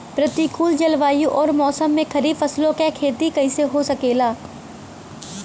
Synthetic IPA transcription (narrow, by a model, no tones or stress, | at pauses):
pɾət̪ikuːld͡ʒɐlʋaːjũʔɔːɾmɔːsəmːẽkɐɾiːfɐslõkekʰeːt̪ikɐɪ̃seɦosɐkeːlaː